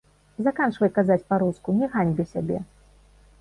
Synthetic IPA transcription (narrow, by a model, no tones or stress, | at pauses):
zakant͡ʂvɐjkazat͡sʲpaɾuskunʲɛɣanʲbʲɛsʲabʲɛ̰